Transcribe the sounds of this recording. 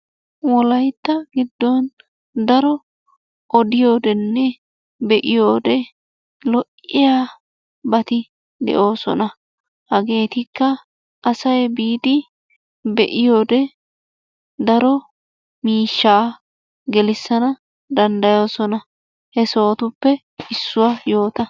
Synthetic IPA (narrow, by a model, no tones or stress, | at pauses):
wɔlɐjt̪ːɐɡɪd̪ːɔn | d̪ɐɾɔ | ʔɔd̪ɪjo̞ːd̪ɛnːɛ | bɛʔɪjoːd̪ɛ | lɔʔɪjaː | bɐt̪ɪ | d̪ɛ̰ʔo̞ːsɔ̰nɐ | hɐɡe̞ːt̪ɪkːɐ | ʔɐsɐjbiːd̪ɪ | bɛʔɪjo̞ːd̪ɛ | d̪ɐɾɔ | miːʃːaː | ɡɛlɪsːɐnɐ | d̪ɐnd̪ɐjo̞ːsɔnɐ | hɛso̞ːt̪ʊpːɛ | ɪsːʊwaːjo̞ːt̪ɐ